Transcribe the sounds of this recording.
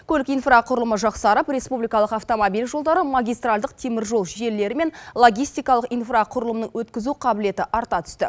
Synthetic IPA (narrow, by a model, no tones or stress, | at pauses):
kʰʲɵlɪkijnfraqʰʊɾəlˠəməʒɑqsɑɾəpɾe̞spublijkɑlˠəqɑft̪o̞mabijlʒo̞lˠd̪ɑɾəmaɡʲijst̪ralˠd̪əq̚t̪ʰe̞mɪɾʒo̞lˠʒe̞lːe̞ɾɪme̞nlˠo̞ɡʲijst̪ijkɑlˠəqijnfraqʰʊɾəlˠəmnəɴwɵt̪kʲɪzuqʰɑbɪle̞t̪ɪʔɑɾt̪ɑt̪ʰʏ̥st̪ɪ̰